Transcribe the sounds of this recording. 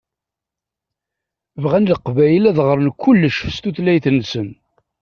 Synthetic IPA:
vʁænləqvæjəlæðʁəɾˤənkʰːʊlːʃə̥fə̥st̪uθlæjθənsən

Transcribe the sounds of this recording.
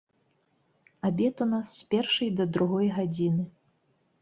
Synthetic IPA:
abʲɛt̪unasːpʲɛrʂɐjd̪ɐd̪ɾuɣɔjɣad͡zʲinɨ

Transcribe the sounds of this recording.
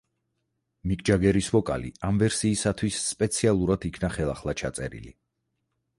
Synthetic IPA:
mikʼd͡ʒaɡɛɾisvɔkʼa̰lḭamvɛɾsiːsat̪ʰwisːpʼɛt̪sʰialˠuɾad̪ikʰnaχɛlˠaχlˠat͡ʃʰat̪sʼɛ̰ɾḭlḭ

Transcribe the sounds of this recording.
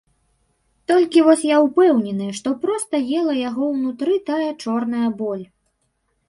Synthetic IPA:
t̪ɔlʲkʲivɔsʲjawpɛwnʲɛnɨʂt̪ɔpɾɔst̪ɐjɛlˠɐjaɣɔwnut̪ɾɨt̪ajɐt͡ʂɔrnɐjɐbɔlʲ

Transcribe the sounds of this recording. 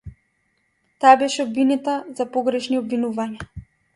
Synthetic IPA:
t̪aːbɛʃɛɔbvinit̪azapɔɡɾɛʃniɔbvinuvaɲa

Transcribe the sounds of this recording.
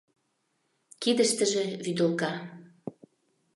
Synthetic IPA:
kid̪ə̆ʃt̪ə̆ʒĕβyd̪ŏlkɑ

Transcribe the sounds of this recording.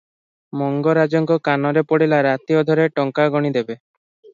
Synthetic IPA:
mɔŋɡɔɾad͡ʒɔŋkɔkanɔɾepɔɽilaɾat̪iɔd̪ʱɔɾeʈɔŋkaɡɔɽ̃id̪ebe

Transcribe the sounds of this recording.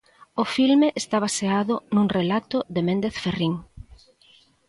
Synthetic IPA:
ʊfilmeʔest̪aβaseaðʊnuŋrelat̪ʊðemẽnd̪eθferiŋ

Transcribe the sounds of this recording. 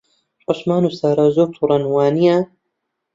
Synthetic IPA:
ʔʊsmaːnusaːɾˤazut̪ʰuɾˤɑnwaːnɪja

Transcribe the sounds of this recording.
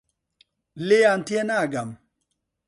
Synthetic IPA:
leantiɛnaɡam

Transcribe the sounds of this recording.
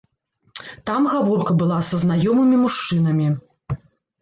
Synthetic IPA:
t̪amɣavurkɐbɨlˠasɐznajɔmɨmʲimuʂt͡ʂɨnɐmʲi

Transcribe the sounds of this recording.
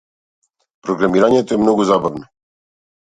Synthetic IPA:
pɾɔɡɾamʲiɾaɲɛt̪ɔjɛmnɔɡɔzabavnɛ

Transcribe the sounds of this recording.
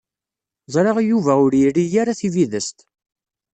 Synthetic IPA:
zˤɾeʁjuvæʊɾjəɾijaɾaθiviðəst̪

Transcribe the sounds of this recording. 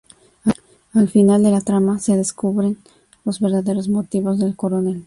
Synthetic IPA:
a | alfinald̪e̞lat̪ɾamase̞ðeskuβɾe̞n | lo̞zβe̞ɾðaðe̞ɾozmo̞t̪iβo̞zðe̞lko̞ɾone̞l

